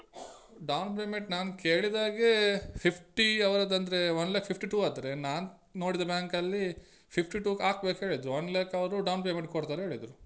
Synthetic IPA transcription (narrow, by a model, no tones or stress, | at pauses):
ɖɐwnpeːmeɳʈnaːnkeːɭid̪aːɡepʰipʰʈiɐʋɾɐd̪ɐnd̪ɐɾeʋɐnlɛːkpʰipʰʈiʈuːad̪ɾenaːn | no̞ːɽid̪ɐbaːŋkɐlːi | pʰipʰʈiʈuːkaːk̚beːkɦe̞ːɭid̪ɾuonleːkɐʋɾuɖɐwnpemeɳʈ̚koɽt̪aːɾeɦe̞ːɭid̪ɾu